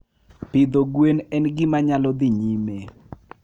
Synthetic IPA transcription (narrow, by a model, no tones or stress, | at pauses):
pɪd̪oɡwenɛnɡɪmaɲalɔd̪ɪɲime